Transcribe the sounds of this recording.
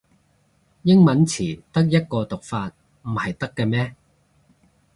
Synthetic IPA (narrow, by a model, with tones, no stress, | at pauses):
jɪ˥ŋmɐ˨˥nt͡sʰiː˨˩t̪ɐ˥k̚jɐ˥t̚kɔː˧t̪ʊ˨k̚faː˧t̚ | m̩˨˩hɐ˨jt̪ɐ˥kːɛː˧mɛː˥